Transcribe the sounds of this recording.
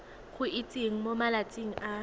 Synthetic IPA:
kʰuʔit͡sʼiŋ̩mɔmalat͡sʼiŋ̩ʔa

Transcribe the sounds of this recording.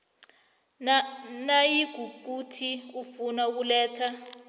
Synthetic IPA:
najiɡ̥ʱuk̬utʰiufunauk̬ulɛːtʰa

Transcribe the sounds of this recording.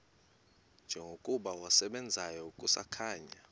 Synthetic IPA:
nd͡ʒʱɛŋɡʱokʼuɓawasɛɓɛnd͡zʱajɔukʼusa̰kʰaːɲa

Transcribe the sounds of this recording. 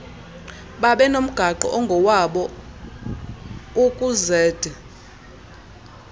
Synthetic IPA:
ɓaɓɛnom̩ɡ̥ʱaǃɔ̰ʔɔŋɡʱɔwaɓɔ | ukʼuzɛːd̥ʱɛ

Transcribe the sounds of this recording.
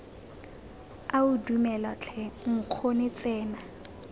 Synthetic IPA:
aʊdumɛlɔt͡ɬʰɛŋ̩q͡χʰonɪt͡sʼɛːna

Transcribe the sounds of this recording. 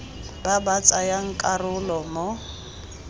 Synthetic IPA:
babat͡sʼajaŋ̩kʼarʊlɔmɔ

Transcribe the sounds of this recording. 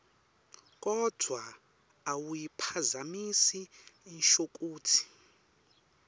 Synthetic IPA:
k̬ʼɔd̥ʱwa | awujipʰazamisiinʃok̬ʼuːtʰi̥

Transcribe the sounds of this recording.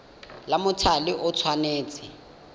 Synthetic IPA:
lamʊtʰalɪʔʊt͡sʰwaneːt͡sʼɪ

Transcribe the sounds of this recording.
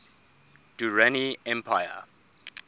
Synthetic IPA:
d̥uɹaniɛ̃mpʰajə̰

